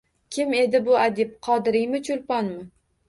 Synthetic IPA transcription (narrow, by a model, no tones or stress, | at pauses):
kʲʰɪme̞d̪ɪbʊad̪ɪp̚qʰɒd̪ɪɾɪjmɪt͡ʃʰʊlpɒnmɪ